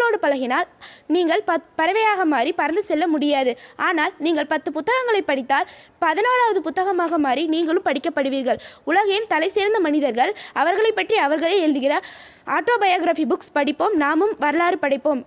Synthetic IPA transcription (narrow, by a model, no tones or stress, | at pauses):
ɭoːɽɯpɐlɐɣɪnaːlniːŋɡɐɭppɐɾɐʋɐjaːɣɐmaːɾipɐɾɐnd̪ɯsɛlːɐmʊɽɪjaːðɯʔaːnaːlniːŋɡɐɭpɐt̪ːɯpʊt̪ːɐɣɐŋɡɐɭɐɪpːɐɽɪt̪ːaːlpɐðɪnaːɾaːʋɐðɯpʊt̪ːɐɣɐmaːɣɐmaːɾiniːŋɡɐɭɯmpɐɽɪkːɐpːɐɽɯʋiːɾɣɐɭʊlɐɣɐjɪnt̪ɐlɐɪseːɾnd̪ɐmɐnɪðɐɾɣɐɭɐʋɐɾɣɐɭɐɪpːɐʈriɐʋɐɾɣɐɭeːɛɻɯðɯɣɪrɐ | aːʈːoːbɐjaːɣɪɾafibʊkspɐɽɪpːoːmnaːmɯmʋɐɾɐlaːɾɯpɐɽɐɪpːoːm